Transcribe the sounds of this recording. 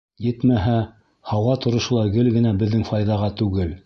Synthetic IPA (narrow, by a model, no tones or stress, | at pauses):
jɘt̪mæɦæ | hɑwʁɑt̪ŏɾŏʃɤ̆lˠɑɡɘlɡɘ̆næbɘ̆ðːɘŋfɑjðɑʁɑt̪ʉɡɘl